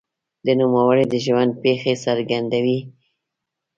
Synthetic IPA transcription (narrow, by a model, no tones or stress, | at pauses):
d̪ənumawaɾed̪əʒwand̪̚pexesaɾɡand̪awi